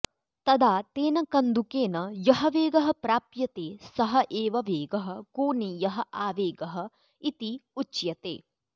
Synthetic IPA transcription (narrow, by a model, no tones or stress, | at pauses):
t̪ɐd̪ʱaːt̪eːnɐkɐnd̪ukeːnɐjɐɦɐʋeːɡɐɦɐpɾaːpjɐt̪eːsɐɦɐʔeːʋɐʋeːɡɐɦɐkoːnijɐɦɐ̆ʔaːʋeːɡɐɦɐ̆ | it̪iut͡ʃjɐt̪ḛː